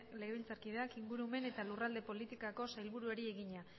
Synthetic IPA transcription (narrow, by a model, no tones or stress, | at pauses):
le̞ɣeilt͡saɾkið̞e̞akiŋɡuɾume̞ne̞t̪alurald̪e̞po̞lit̪ikako̞sajlβuɾueɾie̞ɣiɲa